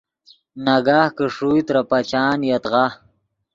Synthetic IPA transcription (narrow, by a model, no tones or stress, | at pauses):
naɡaːhkəʂujt̪ɾapat͡ɕaːnjat̪ʁa